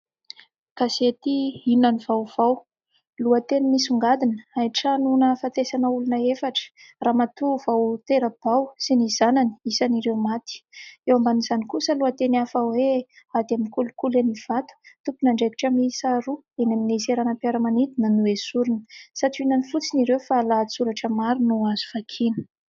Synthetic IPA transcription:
kaset̪iinanivawv̥aw | luət̪enimisuŋɡad̪inə̥ajʈ͡ʂanunəfat̪esanəulunəefaʈ͡ʂə̥ | raːmat̪uvawt̪eɾəb̥awsiniz̥anani̥isaniɾewmat̪i̥ewambanizanikusəluət̪eniafawe | ad̪iamikulukuleniv̥at̪u̥t̪upunaɳɖ͡ʐeki̥ʈ͡ʂamisaɾuenamineseɾanəpiaɾəmanid̪inənuesuɾunə̥saʈ͡ʂiinanifut͡siniɾewfalat͡suɾaʈ͡ʂəmaɾinuaz̥u̥fakʰinə̥

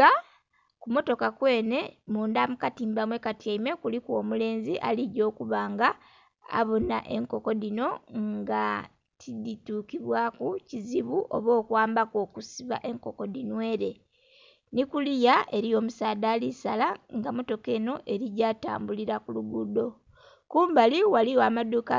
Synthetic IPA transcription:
a | kumo̞to̞kakwe̞ːne̞muːndamukatiːmbamwe̞katjaime̞kulikwo̞ːmule̞ːnziʔa̰liɟo̞ːkuβaːŋɡa̰ː | βo̞na̰ʔe̞̰ŋko̞ko̞dino̞ŋɡa | tʰidituːkiβwaːkuciziβuʔoβo̞ːkwaːmbako̞ːkusiβa̰ʔe̞ŋko̞ko̞dinwe̞ːɾe̞ | nikulijae̞ɾijo̞ːmusaːdaːlisalaŋɡamo̞to̞ke̞ːno̞ʔe̞ɾiɟaːta̰ːmbuliɾakuluɡudo̞ | kuːmbaliwaliwamaduka

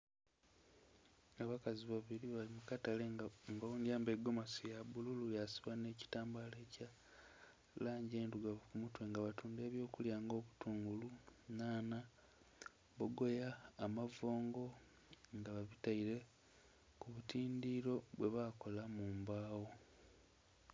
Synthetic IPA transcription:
aβakaziβaβiɾiβalimukataleŋɡaβuːndjaːmbe̞ɡːo̞mosijaβululujasiβane̞ːci̥taːmbaleːca | laːɲɟeːnduɡaβkumutwe̞ːŋɡaβatuːnde̞ːβjo̞ːkuljaːŋɡo̞ːβutuːŋɡulunaːna | βoɡo̞jaːmavo̞ːŋɡo̞ | ŋɡaβaβitaiɾe̞ | kuβutiːndiɾo̞βwe̞βako̞lamuːmbaːwo̞

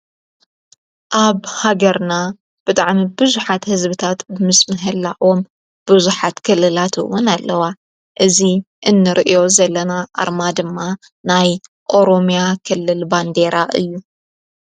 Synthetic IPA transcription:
ʔaβhaɡɐɾna | b̥ɨt̪ʼaʕmibɨzuħat̪hɨzbɨt̪ʰat̪bɨmɨsmɨɦɨlːaʔom | b̥ɨzuħat̪kʰɨlːɨlat̪ʰɨ̰wʊnalːɐwa | ʔɨzi | ʔɨnːɨɾʔijo̞zɐlːɐnaʔa̰ɾmad̪ɨmːa | naj | ʔo̞ɾo̞mijakʰɨlːɨlband̪e̞ɾaʔɨ̰jːu

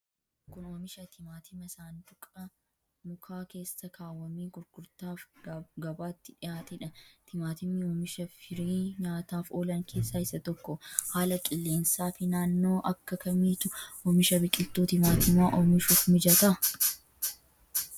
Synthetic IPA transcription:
kʊnoːmɪʃɐt̪ʰɪmaːt̪ɪmɐsaːnt̪ʊkʼɐ | mʊkʰaːke̞ːsːɐkʰaːwːɐmiːɡʊɾɡ̥ʊɾt̪aːfɡɐbaːt̪ːɪᶑɪjaːt̪ɪᶑɐt̪ɪmaːt̪ɪmːɪoːmɪʃɐfɪɾiːɲaːt̪aːfoːlɐŋkʰe̞ːsːaːɪsɐt̪ɔkːɔhaːlɐkʼɪlːe̞ːnsaːfɪnaːnːo̞ːʔɐkːɐkɐmiːt̪ʊʔoːmɪʃɐbɪkʼɪlt̪uːt̪ɪmaːt̪ɪmaːʔoːmɪʃuːfmɪd͡ʒɐt̪ɐ

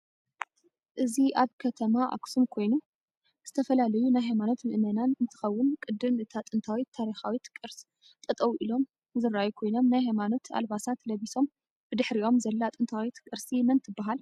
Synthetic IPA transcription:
ʔɨziʔaβkʰɐt̪ʰɐmaʔa̰ksumkʰo̞jnu | z̥ɨt̪ʰɐfɐlalɐjunajɦajmano̞t̪mɨʔmɐnanɨnt̪ʰɨ̥xɐwːʊnkʼɨd̪ːɨmʔɨt̪ʰat̪ʼɨnt̪ʰawit̪ʰːaɾixawit̪kʼɨɾs | t̪ʼɐt̪ʼɐwʔilo̞m | zɨɾːajukʰo̞jno̞mnajɦajmano̞t̪ʰa̰lbasat̪lɐβiso̞m | b̥ɨd̪ɨħɾiʔo̞mzɐlːat̪ʼɨnt̪ʰawit̪kʼɨɾsimɐnt̪ʰɨbːaɦal

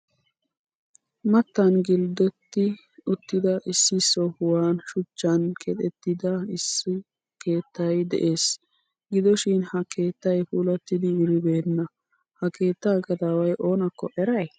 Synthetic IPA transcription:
mɐt̪ːɐnɡɪld̪ɔt̪ːɪ | ʊt̪ːɪd̪ɐʔɪsːɪsːɔʊwaːnʃʊt͡ʃːɐnkʰɛt̪ʼɛt̪ːɪd̪ɐɪsːɪ | ke̞ːt̪ːɐjd̪ɛ̰ʔe̞ːs | ɡɪd̪ɔʃɪnhɐke̞ːt̪ːɐjfuːlɐt̪ːɪd̪ɪwʊɾɪbe̞ːnːɐ | hɐkʰe̞ːt̪ːɐːkɐt̪awɐjʔo̞ːnɐkːɔʔɛɾɐj

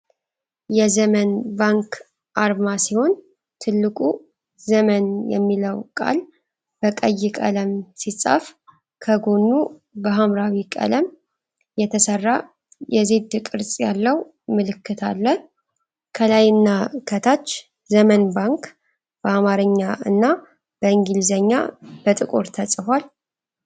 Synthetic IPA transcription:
jɛzəmənbaŋkʰ | ʔaɾmasiho̞n | t̪ʰɨlːɨkʼu | zəmənjɛ̰mːiləwkʼa̰l | b̥əkʼəjːɪkʼə̰ləmsisʼə̰f | kʰəɡo̞nːubəɦamɾawikʼə̰ləm | jɛt̪ʰəsərːa | jɛze̞d̪ɨkʼɨɾsʼjalːəw | mɨlɨkːɨt̪ʰalːən | kʰəlajɨnːakʰət̪ʰat͡ʃː | zəmənbaŋk | b̥əamaɾɨɲːaɨ̰nːa | b̥əɨŋɡilzəɲːa̰b̥ət̪ʼɨkʼoɾt̪ʰəsʼɨfwal

